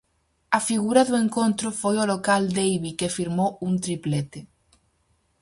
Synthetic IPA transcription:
ɐfiɣuɾaðueŋkõnt̪ɾofojolokald̪ejβikefiɾmount̪ɾiplet̪e

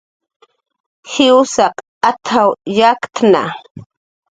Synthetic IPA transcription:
hɪwsaq | at̪ʰawjakt̪ʰna̰

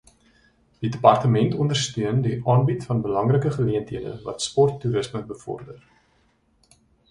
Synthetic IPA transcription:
d̥idəpɐrtəmɛntɔndərstøəndiʔɑːnbitfɐnbəlɐŋrəkəχəliəntiədə̰vɐ̰tspɔrtːuɾəsməbəfɔ̰rdər

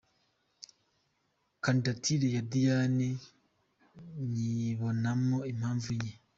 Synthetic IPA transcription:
kandatʰiɾejadijane | ɲiβonamoimhaːɱvuɲe

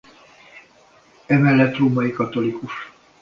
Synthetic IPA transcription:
ɛmɛlːɛt̪ruːmɒikɒt̪o̞likuʃ

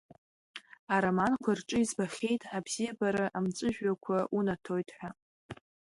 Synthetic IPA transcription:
aɾamankʷʰarʈ͡ʂʼɨizbaχʲe̞jtʼabz̥ijabaɾaʔamt͡sʷʼɨʒᶣɥakʷʰaʔunatʰojtʼħʷᶣa

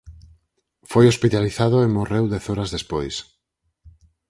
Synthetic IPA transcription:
fojospit̪aliθaðoemorewd̪ɛθɔɾazðespojs

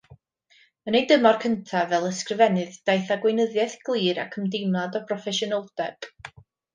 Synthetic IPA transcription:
ənejdəmɔrkʰəntʰavɛlˠəskrɪvɛnɨðd̥ajθaɡwejnəðjɛθɡ̥lˠiːɾa̰kʰəmdɪmlˠadɔpʰrɔfɛʃɔnəlˠd̥ɛd̥

